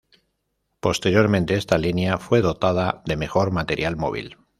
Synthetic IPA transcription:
po̞st̪e̞ɾjo̞ɾmẽnt̪e̞est̪alinjafwe̞ð̞o̞t̪að̞aðe̞me̞xo̞ɾmat̪e̞ɾjalmo̞̰β̞ḭl

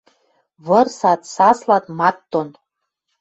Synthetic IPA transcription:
βɤ̆rsɑt̪sɑslɑt̪mɑt̪ːon

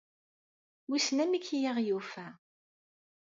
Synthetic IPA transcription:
wusnæmikːjiʁjufæ

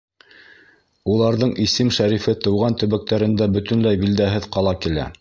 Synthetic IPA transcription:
ulˠɑɾðɤɴisɘmʃæɾifɘt̪ɤ̆wʁɑnt̪ɵ̆βæk̚t̪æɾɘ̆nd̪æbɵ̆t̪ɵ̆nlæjbild̪æɦɘðqɑlˠɑkilæ̰

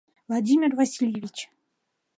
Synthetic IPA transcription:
vlˠadʲimʲɪrvasʲilʲjevʲit͡ɕ

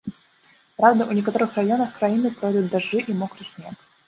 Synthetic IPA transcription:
pɾavd̪əʔʊnʲɪkɐt̪oɾɨxrajonəxkɾɐinɨpɾojd̪ʊt̪̚d̪ɐʐːɨʔimokɾɨsʲnʲek

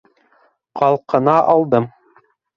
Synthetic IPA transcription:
qɑlˠqɤ̆nɑʔɑlˠd̪ɤm

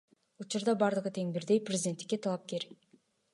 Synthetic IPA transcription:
ut͡ʃuɾd̪ɑbɑɾd̪ɯʁɯt̪ʰe̞ŋbiɾd̪e̞jprʲɪzʲɪd̪ʲent̪ːɪ̥kːe̞t̪ʰɑlˠɑp̚ke̞ɾ

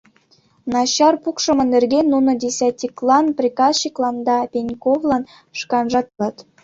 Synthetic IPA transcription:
nɑɕɑrpukʂɤ̆mɤ̆nɘ̆rɡʲenːunɤ̆dʲesʲætʲːiklˠɑnprʲikɑsɕiklˠɑnd̪ɑpʲenʲkovlˠɑn | ʂkɑnʐɑt̪ɤt̪

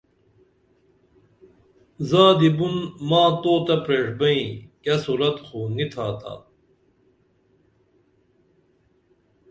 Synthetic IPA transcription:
zaːd̪ibunmaːt̪oːt̪ɐpɾeːʂbɐĩkɐsuɾɐt̪xonit̪ʰaːt̪a̰

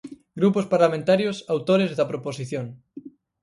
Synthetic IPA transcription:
ɡɾupospaɾlamẽnt̪aɾjosawt̪oɾezðɐpɾoposiθjoŋ

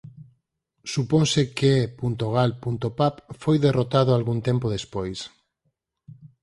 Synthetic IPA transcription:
suponsekepunt̪oɣ̞alpunt̪opapfojðerot̪að̞oalɣunt̪ẽmpoð̞espojs

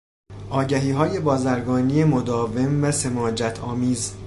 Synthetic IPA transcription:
ʔɒːɟæɦiːɦɒːje̞bɒːzæɾɡɒːnijemod̪ɒːve̞mvæse̞mɒːd͡ʒæt̪ʰɒːmiːz

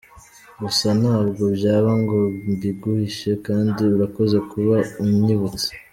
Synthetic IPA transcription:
βusanaːbɡo̞bɟaːβaŋɡo̞mbiɡuhiʃe̞kaːndiuɾako̞ze̞kuβaumɲiβut͡se̥

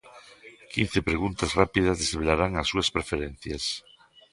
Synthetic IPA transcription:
kin̟θepɾeɣ̞unt̪asrapiðazðesβelaɾaŋasːuaspɾefeɾen̟θjas

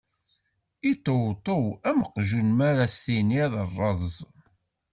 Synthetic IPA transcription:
it̪ːowt̪ˤowæməqʒunmaɾasinjæðərˤːɑzˤ

